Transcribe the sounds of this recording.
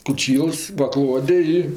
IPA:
koːˈt͡ʃʲiːlˠs pɐˈklˠoːdʲɛ ˈɪ

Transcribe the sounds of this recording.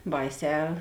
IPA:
ˈbɐɪˌsʲɛː

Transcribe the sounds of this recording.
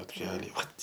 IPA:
plˠoːtʲˈkʲæːlʲɛɪ ˈʋɐt

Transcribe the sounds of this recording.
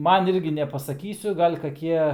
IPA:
ˈmɐn ˈɪrʲɡʲɪ nʲɛpɐsɐˈkʲiːsʲʊ ɡɐlʲ kɐˈkʲiɛ

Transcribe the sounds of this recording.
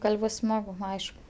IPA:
ˈɡɐlʲ ˈbʊs ˈsmɑːɡʊ ˈɐɪʃk

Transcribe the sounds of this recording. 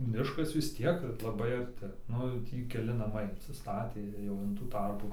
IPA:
ˈmʲɪʃkɐs ʋʲɪs ˈtʲiɛk lˠɐˈbɐɪ ɐrʲˈtʲɪ ˈnʊ jɛʊ ˈtʲiː kʲɛˈlʲɪ nɐˈmɐɪ ɪnʲsʲɪˈstɑːtʲeː ˈjɛʊ ɪn tuː ˈtɐrpuː

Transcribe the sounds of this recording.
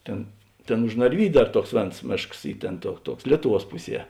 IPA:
ˈtʲeːn ˈtʲeːn ʊʃ nɐrʲˈʋʲiːdʲʊ ˈdɐr ˈtuɔks ˈʋʲeːns ˈmʲeːʃks ˈiː ˈtʲeːn tuɔ ˈtuɔks ˈlʲiɛtʊˌʋuɔs ˈpʊˌsʲiɛ

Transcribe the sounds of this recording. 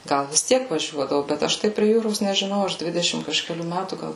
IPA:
ˈɡɐlˠ ʋʲɪs ˈtʲiɛk ʋɐˈʒʲuɔdɐʋʊ bʲɛt ˈɐʃ tɐɪ pʲrʲiɛ ˈjuːroːs nʲɛʒʲɪˈnɐʊ ˈɐʃ ˈdʲʋʲɪdʲɛʃʲɪm kɐʃʲkʲɛˈlʲuː ˈmʲætuː ˈɡɐlˠ

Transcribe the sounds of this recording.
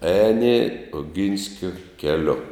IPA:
ˈɛːnʲɪ oːˈɡʲɪnʲsʲkʲoː kʲɛˈlʲʊ

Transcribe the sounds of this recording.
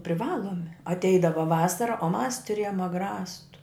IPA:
pʲrʲɪˈʋɑːlˠoːmʲɪ ɐtʲˈɛɪdɐʋɐ ˈʋɑːsɐrɐ oː mɐs tʊˈrʲeːjoːm ɐɡˈrɑːstʊ

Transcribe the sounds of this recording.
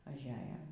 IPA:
ɐʒʲˈæːjɛ

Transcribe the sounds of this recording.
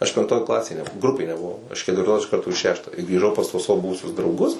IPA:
ɐʃ pʲɛŋkˈtoːj ˈklˠɑːsʲeːj nʲɛbʊˈʋɐʊ ˈɡrʊpʲeːj nʲɛbʊˈʋɐʊ ɪʃ kʲɛtʲʋʲɪrˈtoːs ɪʃ ˈkɐrtoː ɪ ˈʃʲæːʃtɑː ɪ ɡrʲiːˈʒɐʊ pɐs tuɔs ˈsɑːʋoː ˈbʊʋʊsʲʊs drɐʊˈɡʊs

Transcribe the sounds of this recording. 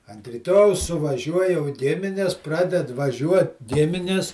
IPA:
ɐnt rʲiːˈtoːjɛʊs sʊʋɐˈʒʲuɔj jɛʊ ˈɡʲɪmʲɪnʲɛs ˈprɑːdʲɛt ʋɐˈʒʲuɔt ˈɡʲɪmʲɪnʲɪs

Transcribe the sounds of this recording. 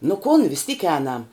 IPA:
nʊ kʊn ʋʲɪs tʲiːk ˈɛːnɐm

